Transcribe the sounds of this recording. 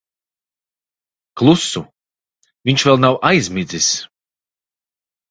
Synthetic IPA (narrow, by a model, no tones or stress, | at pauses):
klˠusu | viɲʲt͡ʃvɛlˠnawʔajzʲmid̪zis